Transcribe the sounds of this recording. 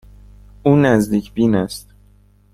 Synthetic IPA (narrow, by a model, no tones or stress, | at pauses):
ʔuːnæzd̪iːcʰbiːnæst̪̚